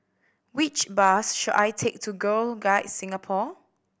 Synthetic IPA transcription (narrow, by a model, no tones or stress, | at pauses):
wit͡ʃbasʃuda̰jtʰek̚tʰuɡəlɡaɪtsĩŋapʰɔ